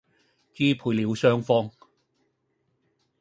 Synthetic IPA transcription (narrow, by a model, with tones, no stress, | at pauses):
kiː˥pʰuː˨˧jliː˨˧wsœː˥ŋfɔː˥ŋ